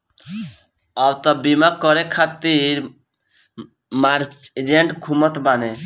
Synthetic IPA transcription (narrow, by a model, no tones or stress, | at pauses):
abt̪ɔbimakɔɾekʰat̪iɾ | maɾed͡ʒeɳʈkʰumət̪bane